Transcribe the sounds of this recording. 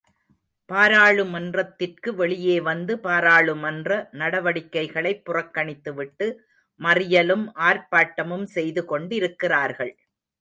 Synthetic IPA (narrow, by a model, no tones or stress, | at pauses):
paːɾaːɭɯmɐndrɐt̪ːɪrkɯʋɛɭɪjeːʋɐnd̪ɯpaːɾaːɭɯmɐndrɐnɐɽɐʋɐɽɪkːɐɪɣɐɭɐɪpːʊrɐkːɐɳɪt̪ːɯʋɪʈːɯ | mɐrɪjɐlɯmʔaːɾpaːʈːɐmɯmsɛjðɯkɔɳɖɪɾɯkːɪraːɾɣɐɭ